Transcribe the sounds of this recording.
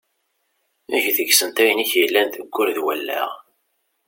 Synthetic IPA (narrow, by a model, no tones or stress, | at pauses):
æʝθəɡsənt̪æjəniçjəlːænt̪əɡʷːʊɾðwælːæ̰ʁ